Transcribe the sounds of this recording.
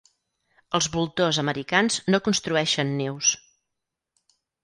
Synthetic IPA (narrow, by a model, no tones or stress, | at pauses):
əlˠzβulˠt̪ozəməɾikanznokunst̪ɾuɛʃənːews